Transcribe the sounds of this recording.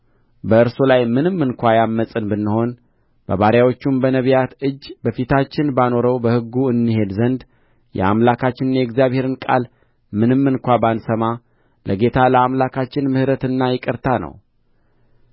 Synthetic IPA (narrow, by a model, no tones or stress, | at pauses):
bəɨɾsolajmɨnɨmːɨnkʷajamːəsʼɨnbɨnːɨho̞n | b̥ə̰βaɾjawo̞t͡ʃːumbənəβijat̪ɨd͡ʒːbəfit̪ʰat͡ʃːɪnbano̞ɾəwbəhɨɡːuɨnːɨɦe̞d̪zənd̪ | jɛ̰a̰mlakʰat͡ʃːɪnɨnjɛɡzijaβhe̞ɾɨnkʼa̰l | mɨnɨmːɨnkʷabansəma | lʔəɡe̞t̪ʰaləamlakʰat͡ʃːɪnmɨhɾət̪ɨnːajɛkʼɨɾt̪ʰanə̰w